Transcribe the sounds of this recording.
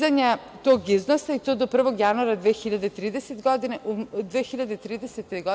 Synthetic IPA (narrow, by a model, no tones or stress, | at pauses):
zaɲɛ | t̪oɡiznosait̪od̪ɔpr̩voɡjanuaɾad̪vɛxiʎad̪ɛit̪ɾid̪ɛsɛt̪ɡɔd̪inaʔud̪vɛxiʎʲad̪ɛit̪ɾid̪ɛsɛt̪ːɛɡɔ